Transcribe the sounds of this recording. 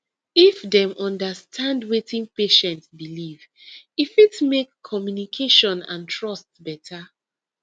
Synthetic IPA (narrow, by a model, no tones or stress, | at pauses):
ifdɛ̃mɔ̃ndastʰãndwetʰĩŋpeʃɛ̃ntsbiliv | ifitmekʰːɔmjunikʰeʃɔ̃nã̰ntʰɹɔstbɛtʰa